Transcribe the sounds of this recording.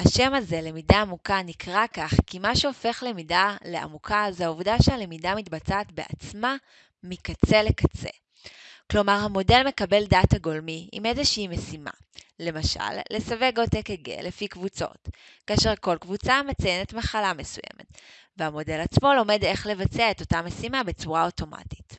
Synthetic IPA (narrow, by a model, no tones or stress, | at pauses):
haʃe̞maze̞le̞midaːmukanikʁakaχkimaʃeo̞fe̞χle̞midaleʔa̰mukʰazehauvdaʃealemidamitbat͡saːtbe̞a̰t͡sma | mikat͡se̞lekat͡se̞̰ | klo̞maʁhamo̞de̞lme̞kabe̞ldataɡo̞lmiḭmezeʃiimesima̰ | le̞maʃa̰lːe̞save̞ɡotekeɡḛlefikvut͡so̞̰t | kaːʃe̞ʁko̞lkvut͡samet͡sajene̞tmaχalame̞sujḛmet | vehamo̞de̞lat͡smo̞lo̞me̞de̞χle̞vat͡seaeto̞tame̞simabet͡suʁao̞to̞ma̰ti̥t